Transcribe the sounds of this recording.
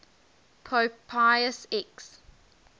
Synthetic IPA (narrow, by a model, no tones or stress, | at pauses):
pʰopʰaɪəsɛks